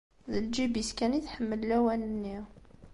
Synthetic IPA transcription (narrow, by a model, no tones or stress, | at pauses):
ðəld͡ʒibiskæniθħəmːəlːæwænənːi